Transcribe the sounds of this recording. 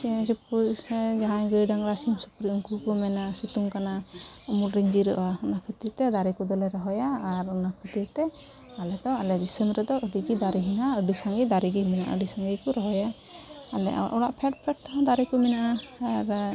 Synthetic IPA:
sip | d͡ʒaɦajɡəjɖaŋɾasimsupuɾiʔuŋkukɔmɛnasut̪uŋkanaumulɾeɲd͡ʒiɾɔʔaɔnakʰət̪iɾt̪ɛd̪aɾikɔd̪ɔlɛɾɔɦɔjaːɾɔnakʰət̪it̪ɛ | alɛd̪ɔalɛd̪isənɾɛd̪ɔʔəɖiɡid̪aɾiɦinaəɖisaŋɡid̪aɾiɡimɛna̰ʔəɖisaŋɡikɔɾɔɦɔjaː | lɛ̰ʔɔa̰ʔɔɽaʔpʰɛʈ̚pʰɛʈ̚t̪aɦãd̪aɾikɔmɛnaʔaaɾ

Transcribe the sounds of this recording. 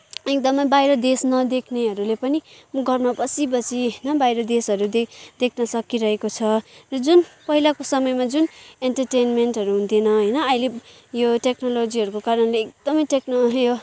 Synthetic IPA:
ek̚d̪ʌmʌjbajɾʌd̪esnʌd̪ekʰneɦʌɾulepʌniɡʱʌrmapʌsibʌt͡siɦnʌbajɾʌd̪esɦʌɾud̪ed̪ekʰnʌsʌkiɾʌɦekot͡sʰʌrʌd͡zunpʌɦilakosʌmʌjmad͡zuneɳʈʌrʈenmenʈɦʌɾuɦũnt̪ʰinʌɦʌjnʌʌile | joʈeknolod͡ziɦʌɾukokaɾʌnleːk̚d̪̥ʌmʌjʈeknʌjo

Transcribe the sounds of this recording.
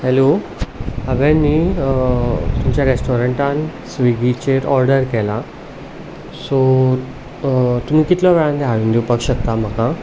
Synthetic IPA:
hɛlo | ɦəʋanːiː | t̪umt͡ɕjaɾesʈɔɾə̃ɳʈansʋiɡit͡ɕeɾɔɾɖəɾkɛla | so | t̪um̤iːkit̪lɔʋɛɭãnd̪eɦaʋĩnd̪iupəkɕəkt̪am̤əka

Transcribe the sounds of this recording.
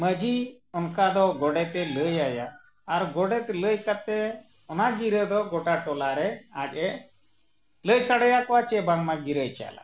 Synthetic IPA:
məd͡ʒi | ɔnkad̪ɔɡɔɽɛt̪ɛləjajaː | ɾɡɔɽɛt̪ɛləjkat̪ɛ | ɔnaɡiɾəd̪ɔɡɔʈaʈɔlaɾɛaɡɛ | ləjsaɽɛjakɔwat͡ʃɛbaŋmaɡiɾəjt͡ʃa̰la̰

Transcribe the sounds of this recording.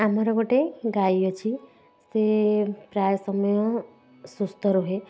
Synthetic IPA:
amaɾakoʈeɡaiɔt͡ʃʰi | sepɾaːjsəmjɔ | sust̪əɾoɦe

